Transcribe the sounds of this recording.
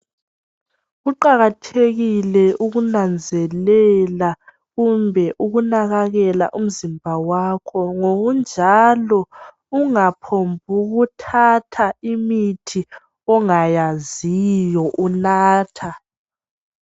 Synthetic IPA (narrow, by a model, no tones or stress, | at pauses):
ɣuǃaɣatʰeɣilɛʔuɣunand͡zʱɛlɛla | ɣumbʱɛʔuɣunaɣaɣɛla̰ʔum̩zimbʱawakʰɔŋoɣund͡ʒʱalɔ | uŋapʰombʱuɣutʰatʰaimitʰi | ɔŋajazijɔʔunaːtʰa